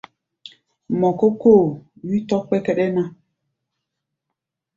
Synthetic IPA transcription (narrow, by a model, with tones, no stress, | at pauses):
mɔ˨ko˦ko˦˨wi˦tɔ˦k͡pɛ˦kɛ˦ɗɛ˦nã˦